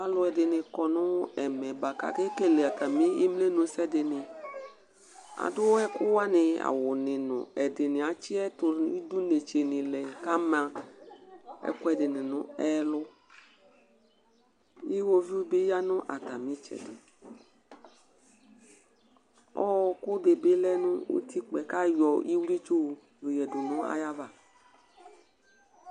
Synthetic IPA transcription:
a˦lʊ˨˦ɛ˨dɪ˨nɪ˨kɔ˨nʊ˦ɛ˨mɛ˨ba˨ka̰˨ke˦ke˦˨le˨a˨ta˨mi˦i˦mle˦nʊ̃˨˦sɛ˦dɪ˨nɪ˨ | a̰˨dʊ˦wɛ˦kʊ˦wa˦nɪ˨a̰˨wʊ˨nɪ˨nʊ̰˨ɛ˨dɪ˨nɪ̃˨a˨t͡ʃɪ˦ɛ˦tʊ˨˦i˦du˦ne˨t͡ʃe˨nɪ˨lɛ˨ka˦mã˨ | ɛ̰˦kʊ˦ɛ˨dɪ˨nɪ˨nʊ̃˨ɛ˦lʊ˦ | i˦wo˦vi˦u˦be˦ja˦nʊ̃˦ʔa˨ta˨mĩ˦t͡ʃɛ̰˨dɪ˨ | ɔ˦˨kʊ˦de˨be˦lɛ˦nʊ̃˦o̰˦t̪i˦k͡pɛ˨ka˦jɔ˨ʔi˦wu˦ɾi˦t͡ʃo˦˨ | lu˨jɛ˨dʊ˨nʊ̃˨˦a̰˦ja˦va˨

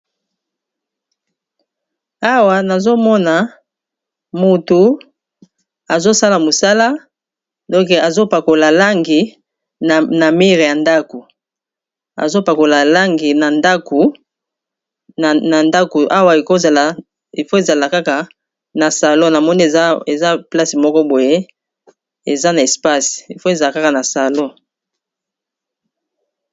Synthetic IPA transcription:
a˦wa˨na˨zo˦mɔ˦na˨ | mu˨tu˨ | a˨zo˦sa˦la˨mo˨sa˦la˦ | dɔ̃˦ŋke˨a˨zo˦pa˨ko˨la˨la˦ŋɡi˨ | na˨mi˦ʁe˨ja˨nda˦ko˨ | a̰˨zo˦pa˨ko˨la˨la˦ŋɡi˨na˨nda˦kʰo˨ | na˨nda˦ko˨ʔa˦wa˦i˨ko˦za˨la˨ | i˨fo˦e˦˨za˨la˨ka˦ka˨ | na˨sa˨lo˦na˨mɔ˦ni˦e˨ze˨za˦pla˦si˨mɔ˦kɔ˦bo˨je˦ | e˨za˦na˨e˨spa˦si̥˨i˨fo˦e˨za˨la˨ka˦ka˨na˨sa˨lo˦

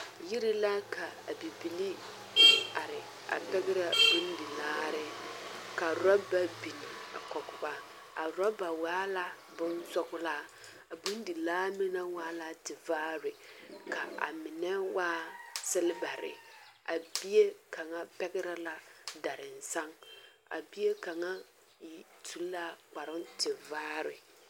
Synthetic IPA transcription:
ji˦ɾi˦la˦kʰa˨a˨bi˨bi˨li˦ | a˨ɾɪ˨ | a̰˨pɛ˦ɡɪ˦ɾa˨bu˦n˦di˨laː˦ɾɪ˦ka˨ɾɔ˦ba˦bi˨ni˨a̰˨kɔ˨ɡʊ˨ba˦ | a˨ɾɔ˦ba˨waː˦la˦ | bʊ˦nsɔ˦ɡʊ˦la˦ | a˨bu˦n˦di˨laː˦mi˦na˦waː˦la˦tɪ˨vaː˦ɾɪ˨ka˨a̰˨mɪ˨nɛ˦waː˦sɪ˦lɪ˦ba˨ɾɪ̰˨a̰˨bi˦e˦ka˨ŋa˦pɛ˦ɡɪ˦ɾa˦la˦da˨ɾɪ˨n̩˨sa˦ŋ | a̰˨bi˦e˦ka˨ŋa˦ | ji˨ | tʰu˨˦lːa˦k͡pa˨ɾʊ˦ntɪ˨vaː˦ɾɪ̰˨

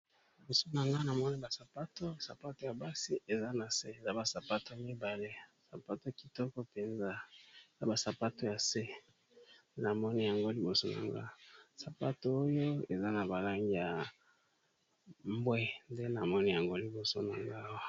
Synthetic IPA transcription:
li˨bo˨so˦na˨ŋɡa˦na˨mɔ˦ni˦ba˨sa˨pa˦to˦sa˨pa˦to˨ja˨ba˦si˦ʔe˨za˦na˨se˦e˨za˦ba˨sa˨pa˦to˦mi˦ba˨le˦sa˨pa˦to˦˨ki̥˨tɔ˦kɔ˦pe˨nza˦e˨za˦ba˨sa˨pa˦to˦ja˨se˦ | na˨mɔ˦ni˦ja˨ŋɡo˦li˨bo˨so˦na̰˨ŋɡa̰˦˨sa˨pa˦to˦o˦jo˦e˨za˦na˨ba˨la˦ŋɡi˦ja˨ | m˦bwɛ˦nde˦na˨mɔ˦ni˦ja˨ŋɡo˦li˨bo˨so˦na˨ŋɡa˦wa˦

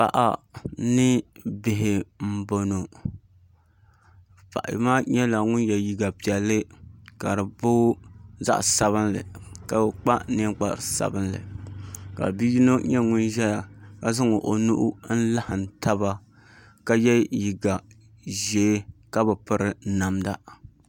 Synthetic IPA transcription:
pa̰˨ʔa̰˨nɨ˦bɪ˨ɦɪ˨m̩˦bo˨no˨ | pa̰˨ʔa̰˨maː˦ɲɛ˦la˨ŋʊ˦njɛ˨ji˨ɡa˨pi˨ɛ˨lːɨ˦ka˨ɾɨ˨bo˦za̰˦ʔsa˨βɨ˦nlɨ̰˨ka˨bk͡pa˦ne˦k͡pa̰˨ɾsa̰˨bɨ˦nlɨ̰˨ka̰˨bi˦ji˦no˦ɲɛ˦ŋʊ˦nʒɛ˦ja˨ka˦zɨ˦ŋo˨ʔo˨nu˦ʔʊ˦n̩˦la˦hɨ˨n˨ta˦βa˦ | ka˦jɛ˦ji˨ɡa˨ | ʒeː˨˦ka˦bɨ˨pɨ˦ɾɨ˦na˨mda˦

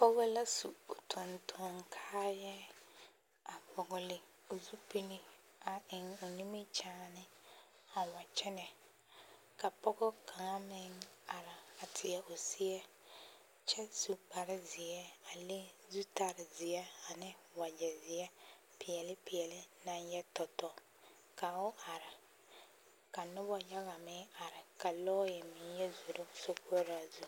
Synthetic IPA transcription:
pɔ˦ɡɔ˦la˦su˨ʊ˨tʰʊ˨ntʰɔ˨˦ŋkʰaː˦jɛ˦ | a˨bɔ˨ɡɔ˨lɪ˨ | ʊ˨zu˦pi˦li˦ | a˨ʔɪ˨ŋʊ˨ni˦mɪ˦t͡ʃaː˦nɪ˦ | a˨wa˨t͡ʃɛ˦nɛ˨ | ka˨pɔ˦ɡɔ˦kʰa˨ŋa˦mɪ˦ŋa˨ɾa˨a˨tʰɪ˨ɛ˨ʔʊ˨sɪ˦ɛ˦ | t͡ʃɛ˦su˨k͡pa˨ɾɪ˦zɪ˨ɛ˦a˨lɪ˦zu˦ta˨ɾɪ˨zɪ˨jɛ˦a˨nɪ˦ | wa˨d͡ʒɛ˨zɪ˨ɛ˦ | pɪ˨ɛ˨lɪ˦pɪ˨ɛ˨lɪ˦na˦njɛ˦tɔ˨tɔ˨ | ka˨ʊ˦ʔa˨ɾɪ˨ | ka˨nʊ˦bɔ˦ja˦ɣa˨mɪ˦a˨ɾɪ˨ka˨lɔː˦jɛ˨mɪ˨˦jɛ˦zu˨ɾo˦so˦ko˦ɾa˨zu˦

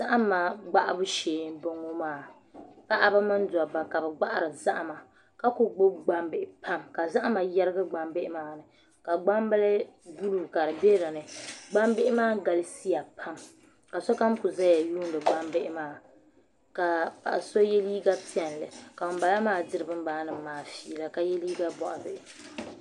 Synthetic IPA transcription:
za˦ʔa˦mːa˨ɡ͡ba˦ʔa˦bʊ˦ʃeː˨˦n˦bo˦ŋo˦maː˦˨ | ka˦ʔa˨ba˦mɨ˦n˦da˨ba˨ka˨bɛ˨ɡ͡ba˦ʔa˨ɾɨ˨za˦ʔma˨ | ka˦kʊ˦ɡ͡bo˦ɡ͡ba˦mbɪ˨ʔɪ˨pʰa˦mka˨za˦ʔa˦ma˨jɛ˦ɾɨ˦ɡa˦ɡ͡ba˦mbɪ˦ʔɪ˦maː˦˨nɨ˨ | ka˨ɡ͡ba˦m˦ba˦lɛ˦du˦lu˨ka˨ɾɨ˨be˦ɾa˨nɨ˨ɡ͡ba˦mbe˦ʔɪ˦maː˦ɡa˨lɨ˦si˦ja˨pʰa˦m | ka˨so˦ka˦mkʊ˨za˦ja˨juː˦n˦dɨ˨ɡ͡ba˦m˦bɪ˦ʔɪ˦maː˦˨ | ka˨pa̰˨ʔa˨so˦jɛ˦liː˦ɡa˦pi˦ɛ˨n˨lɨ̰˨ka˨ʊ˨m˦ba˨la˦maː˦˨dɨ˦ɾɨ˨bɨ˦m˦baː˨˦nɨ˨m˨maː˨fiː˨la˨ka˨jɛ˦liː˦ɡa˦bɔ˨ʔa˨bɪ˨ʔɪ˨

